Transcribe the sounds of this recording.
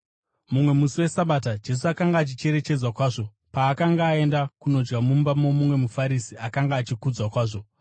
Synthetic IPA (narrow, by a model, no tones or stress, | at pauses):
mumwe̞musiwe̞saɓatad͡ʒe̞s̬uakaŋɡaːt͡ʃit͡ʃe̞ɾe̞t͡ʃe̞d͡zwakwaːʐo̞ | paːkaŋɡaːe̞ndakuno̞d͡ʒɡamumbamo̞mumwe̞mufaɾisiakaŋɡaːt͡ʃikud͡zwakwaːʐo̞